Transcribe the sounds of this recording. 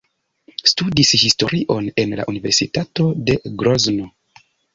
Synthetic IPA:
studishisto̞ɾiʔo̞ne̞nla̰ʔunive̞ɾsitato̞de̞ɡɾozno̞

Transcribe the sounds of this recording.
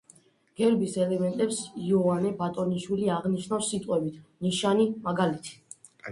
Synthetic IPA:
ɡ̥ɛɾbisɛlɛmɛnt̪ʼɛpsiɔanɛbat̪ʼɔniʃwiliaʁniʃnafsit̪ʼqʼwɛbit̪ʰniʃanimaɡalit̪ʰi̥

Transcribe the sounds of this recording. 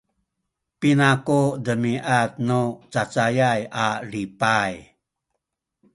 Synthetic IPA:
pinakudəmiʔat̪̚nut͡sat͡sajajalipaj

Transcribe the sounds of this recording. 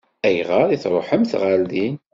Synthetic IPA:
æjʁəɾˤiθɾˤoħəmθʁald̪i

